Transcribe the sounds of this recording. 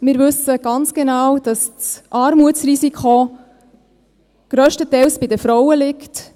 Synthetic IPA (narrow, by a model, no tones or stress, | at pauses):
mɪːɾʋɵsəɡ̥ɑnt͡sɡ̥enɑwd̥ɑst͡sʔɑːɾmuət͡srisikʰχo | ɡ̥ɾœːʃtətɛlsb̥ɪdəfɾɔwəlɪkt